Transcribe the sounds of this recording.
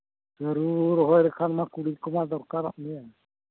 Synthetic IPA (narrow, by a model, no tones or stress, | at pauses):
d͡ʒəɾuɾɦɔjɾɛkʰanmakuɽikɔmad̪ɔɾkaɾaʔmijɛ